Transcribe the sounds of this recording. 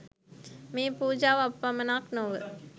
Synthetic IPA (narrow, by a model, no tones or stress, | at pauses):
miːpuːd͡ʒaːʋɐpːɐmɐnaːknoʋə̰